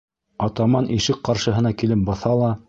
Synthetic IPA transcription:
ɑt̪ɑmɑnʔiʃɘk̚qɑɾʃɤ̆ɦɤ̆nɑkilɘp̚bɑθɑlˠɑ

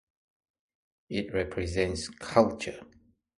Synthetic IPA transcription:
ɪt̚ɹɛpʰɹɛzɛ̃ntskʰalt͡ʃə

